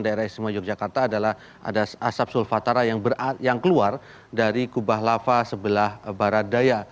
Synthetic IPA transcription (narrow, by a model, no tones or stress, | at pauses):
ŋdaeɾahist̪imad͡ʒɔk̚d͡ʒakart̪aːdalah | a̰dasasap̚sulfat̪aɾajaŋbərjaŋkəluar | daɾikubaɦlafasəbəlahbaɾat̪̚daja